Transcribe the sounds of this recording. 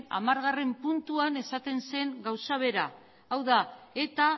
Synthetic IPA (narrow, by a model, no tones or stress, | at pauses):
na̰maɾɣare̞mpunt̪uane̞sat̪e̞nse̞ŋɡawsaβ̞e̞ɾaː | wðae̞t̪a